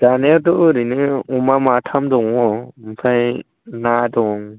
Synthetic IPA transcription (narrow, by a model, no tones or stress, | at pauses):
d͡ʒaneɾdɔɾinɯumamatʰamdɔŋɔmpʰaj | nadɔŋ